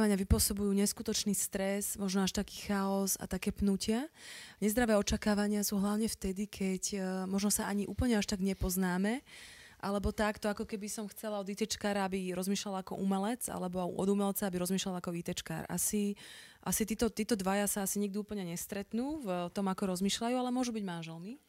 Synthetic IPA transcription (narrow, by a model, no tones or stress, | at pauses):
ʋaɲɪaʋipʊɔsɔbujuːɲɛskut̪ɔt͡ʃniːst̪ɾɛzmɔʒnɔaʃt̪aki̥ːxaɔza̰t̪akɛːpnucɪaɲɛzd̪ɾaʋɛːɔt͡ʃakaːʋaɲɪasuɦlaʊɲɛft̪ɛd̪ikʰɛcmɔʒnɔsaʔaɲiʔṵːpl̩ɲɛaʃt̪aɡɲɛpɔznaːmɛʔalɛbɔt̪akt̪ɔakɔkɛbisɔmxt͡sɛlaɔd̪it̪ɛt͡ʃkaːɾaabiɾɔzmiːʃlalakɔ̰ʔumɛlɛd͡za̰lɛbɔɔ̰d̪umɛlt͡saabiɾɔzmiːʃlalakɔit̪ɛt͡ʃka̰ːɾa̰siʔasit̪iːt̪ɔt̪iːt̪ɔd̪ʋajasaasiɲiɡ̚d̪iuːpl̩ɲɛɲɛst̪ɾɛt̪nuːvt̪ɔmakɔɾɔzmiːʃlajuːalɛmʊɔʒubiɟmanʒɛlni